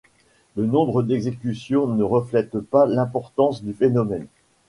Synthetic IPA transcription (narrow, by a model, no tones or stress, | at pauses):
lənɔ̃bʁəd̪ɛɡzekʲysjɔ̃nəʁəflɛt̪palɛ̃pɔʁt̪ɑ̃sd̪yfenɔmɛn